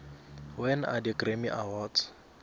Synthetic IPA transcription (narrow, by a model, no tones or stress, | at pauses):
wɛna̰dikremiʔawɔːdz